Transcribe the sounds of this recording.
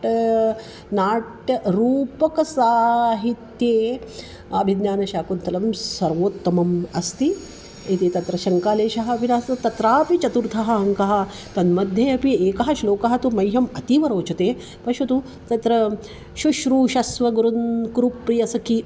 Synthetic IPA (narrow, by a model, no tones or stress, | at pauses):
ʈ | naːʈɐɾuːpɐkɐsaːɦit̪jeː | ɐbʱid̪jaːnɐʃaːkunt̪ɐlɐmsɐɾʋoːt̪ːɐmɐmɐst̪i | it̪it̪ɐt̪ɾɐʃɐŋkaːleːʃɐɦɐɐbʱinaːst̪ɐt̪ɐt̪ɾaːpit͡ʃɐt̪uɾt̪ʰɐɦɐ̆ɐŋkɐɦɐ̆ | t̪ɐnmɐd̪ʱjɐɐpieːkɐɦɐʃloːkɐɦɐt̪umɐjɦɐmɐt̪iʋɐɾoːt͡ʃɐt̪eː | pɐʃɐt̪u | t̪ɐt̪ɾɐ | ʃuʃɾuːʃɐsʋɐɡuɾunkɾupɾijɐsɐki